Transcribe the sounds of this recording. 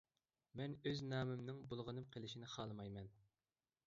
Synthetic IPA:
mɛnøznɑːmɪmnɪŋbolˠʁənɨmqʰəlˠɪʃinɪχɑːlˠɨmɑjmɛn

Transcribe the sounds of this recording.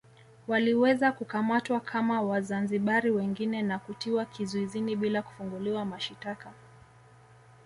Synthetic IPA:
waliwɛzakukamatwakʰamawazanziɓaɾiwɛŋɡinɛnakutiwakʰizuiziniɓilaku̥fuŋɡuliwamaʃitaka

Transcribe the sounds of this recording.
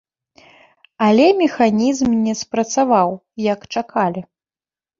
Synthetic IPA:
ɐlʲɛmʲɛxanʲizmnʲɛspɾɐt̪savaw | jɐkt͡ʂakʰalʲi

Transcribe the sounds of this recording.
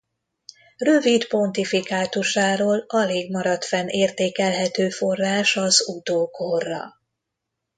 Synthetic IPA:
rø̞vit̪po̞nt̪ifikaːt̪uʃaːɾoːlɒleːɡmɒɾɒt̪fɛnʔeːrt̪eːkɛlɦɛt̪øːfo̞rːaːʃɒzut̪oːkʰorːɒ̰

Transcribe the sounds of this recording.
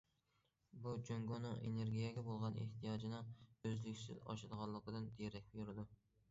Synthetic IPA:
but͡ʃʰøŋɡonɨŋʔḛneɾɡʲijɛɡʲɛbolˠʁɑnḛht̪ʰijɑd͡ʒinɨøzlɪkʲsɪ̰zɑ̰ʃɨd̪əʁɑnlːˠəqʰəd̪ɨnd̪eɾɛkʲbjuɾɪd̪u

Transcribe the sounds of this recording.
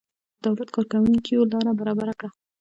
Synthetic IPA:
d̪awlat̪kɑɾkawuŋkiolɑɾabaɾɑbaɾakɽa

